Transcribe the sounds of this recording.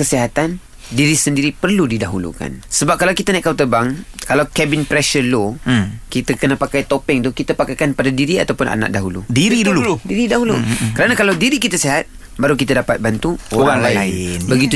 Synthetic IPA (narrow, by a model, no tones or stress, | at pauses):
kəsiɦat̪an | diɾisəndiɾipərludidaɦulṵka̰nsəbap̚kalawkit̪anaʔkawt̪əbaŋkalawkɛbɪnpɾɛʃəlokit̪akənapakajt̪opɪŋt̪ukit̪apakajkanpadadiɾia̰t̪awpʊnʔa̰na̰k̚daɦulṵdiɾiduluudiɾidaɦulukəɾanakalawdiɾikit̪asiɦat̪̚ | baɾukit̪adapat̪̚bant̪uoɾaŋlaɪnnbəɡit̪u